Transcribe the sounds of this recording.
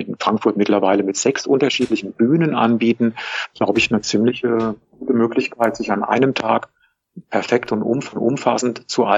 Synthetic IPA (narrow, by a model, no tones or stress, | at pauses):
ʔɪnfʁ̥aŋkfʊɐtmɪtlɐvaɪləmɪtz̥ɛksʔʊntɐʃiːtlɪçn̩byːnənʔa̰nbiːtn̩ɡ̥laʊbəɪçnət͡siːmlɪçəɡ̥uːtəmøːklɪçkʰaɪtz̥ɪçanʔa̰ɪnəmtʰa̰ːk | pʰɛɐfɛktʊntʔʊ̰mfʔʊ̰mfasn̩tt͡suʔa